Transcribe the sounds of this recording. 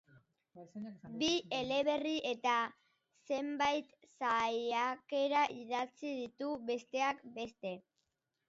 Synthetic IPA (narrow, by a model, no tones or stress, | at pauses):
bie̞le̞β̞e̞riʔe̞t̪a | se̞mbajt̪ | sajake̞ɾaʔiðat͡sið̞it̪uβe̞st̪e̞akbe̞st̪e̞